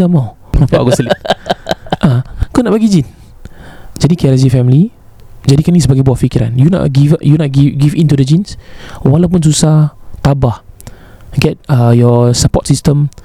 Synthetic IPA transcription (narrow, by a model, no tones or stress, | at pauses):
ama | apaʔa̰ɡɔtli | ʔakɔnaʔ̚baɡid͡ʒin | d͡ʒadikɛɾazifɛmli | d͡ʒadikanisəbaɡajbuaʔfikiɾa̰njuna̰ʔɡivʔjunɔɡiɡivĩntudəd͡ʒĩnswalawp̬uns̬usat̪abah | ɡɛt̚əjɔsəpɔt̚sistəm